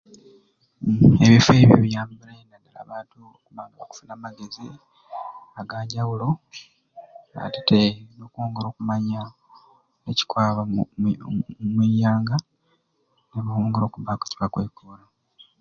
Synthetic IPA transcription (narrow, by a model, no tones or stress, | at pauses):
eβife̞ːβjo̰βjaːmbilajenadala̰ːβaːntuokuβaːŋɡaβaku̥funamaɡe̞zi | aɡaːɲɟawulo̞ | a̰te̥teino̞ːkoːŋɡeɾo̞ːkumaɲa | neci̥kwaːβa | mwiːjaːŋɡa | neβawoːŋɡeɾo̞ːkuβakweci̥βakweːkuːlo